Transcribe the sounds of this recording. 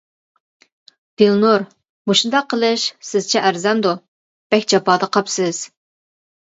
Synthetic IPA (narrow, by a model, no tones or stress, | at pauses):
d̪̥elˠnuɾ | moʃund̪ɑqʰːəlˠɨʃsɪzt͡ʃʰɛʔæɾzɛnd̪u | b̥ɛkʲd͡ʒɑpɑːd̪əqʰɑpsɪz̥